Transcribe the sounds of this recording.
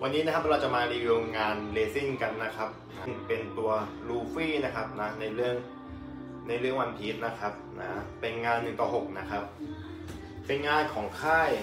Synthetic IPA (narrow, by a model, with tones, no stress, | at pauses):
wʔa˧nːiː˦˥na˥kʰa˦˥p̚ɾa˧wt͡ɕa˨˩maː˧ɾiː˧ɾoː˧ŋŋaː˧nleː˧si˥˩ŋka˧nːa˦˥kʰa˦˥p̚na˦˥˩ŋpe˧nt̪u˧ɐ | ɾuː˧fiː˥˩na˦˥kʰa˦˥p̚na˦˥na˧jɾɯ˥˩əŋ | na˧jɾɯ˥˩əŋwa˧npʰi˦˥t̪̚na˦˥kʰa˦˥p̚nʔa̰ː˦e˧nŋaː˧nːɯ˨˩ŋt̪ɔː˥˩ɦo˨˩k̚na˦˥kʰa˦˥p̚ | pe˧nŋaː˧nkʰɔː˩˦ŋkʰaː˥˩j